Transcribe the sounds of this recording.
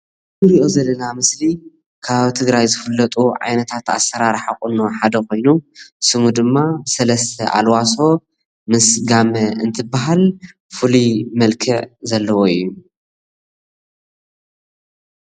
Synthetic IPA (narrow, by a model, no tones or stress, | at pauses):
mɨɾiʔo̞zɐlːɐnamɨsli | kʰaβaβit̪ʰɨɡɾajzɨfɨlːɐt̪ʼuʕa̰jnɐt̪ʰat̪a̰sːɐɾaɾħaxʼunoħad̪ɐkʰo̞jnusɨmud̪ɨmːabsɐlɐst̪ʰɐʔa̰lwaso̞ | mɨsɡamɐɨnt̪ʰɨbːaɦal | fɨlimɐlkʰɐʕzɐlːɐwoɨjːu